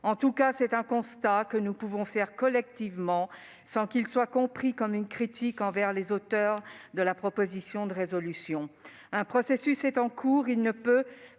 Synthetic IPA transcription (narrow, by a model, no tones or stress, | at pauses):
ɑ̃t̪ukasɛt̪ɛ̃kɔ̃st̪akənupuvɔ̃fɛʁkɔlɛk̚t̪ivmɑ̃ | sɑ̃kilswakɔ̃pχikɔmynkχit̪ikɑ̃vɛʁlezot̪œʁd̪əlapχɔpozisjɔ̃d̪əʁezɔlysjɔ̃ | ɛ̃pχɔsesysɛt̪ɑ̃kʰuːʁilnəpø